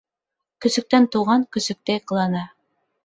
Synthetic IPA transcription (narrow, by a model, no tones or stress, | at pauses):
kɵ̆sɵ̆k̚t̪ænt̪uʁɑŋkɵ̆sɵ̆k̚t̪æjqɤ̆lˠɑnɑ